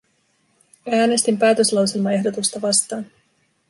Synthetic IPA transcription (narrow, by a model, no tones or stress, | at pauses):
æːne̞st̪impæːt̪ø̞slɑwse̞lmɑe̞ɦdo̞t̪ust̪ɑʋɑst̪ɑːn